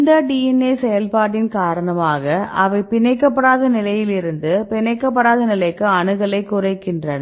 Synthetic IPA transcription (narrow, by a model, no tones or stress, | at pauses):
nd̪ɐɖiɛnːeːsɛjɐlpaːʈɪnkaːɾɐɳɐmaːɣɐʔɐʋɐɪpɪnɐɪkːɐpːɐɽaːðɐnɪlɐjɪlɪɾɯnd̪ɯpɪnɐɪkːɐp̬ːɐɽaːðɐnɪlɐɪkːɯɐɳɯɣɐɭɐɪkːʊrɐɪkːɪndrɐnɐ